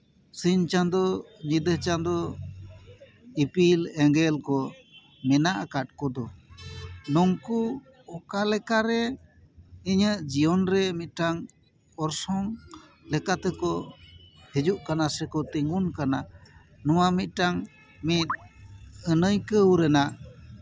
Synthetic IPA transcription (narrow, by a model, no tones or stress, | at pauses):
siɲt͡ʃand̪ɔɲid̪ət͡ʃand̪ɔ | ipilɛŋɡɛlkɔ | mɛnaʔakaʈ̚kɔd̪ɔ | nɔŋku | ɔkalɛkaɾɛ | iɲəʔd͡ʒijɔnɾɛmit̪̚ˀʈaŋ | ɔɾsɔŋ | lɛkat̪ɛkɔ | hid͡ʒuʔkanasɛkɔt̪iŋunkana | nɔwamit̪̚ˀʈaŋ | mit̪̚ | ənəjkəwɾɛnaʔ